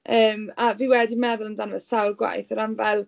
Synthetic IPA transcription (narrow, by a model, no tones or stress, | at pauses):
əːmaviːwɛdimɛðʊlˠəndanvɛsawlˠɡwa̰jθɔɾanvɛlˠ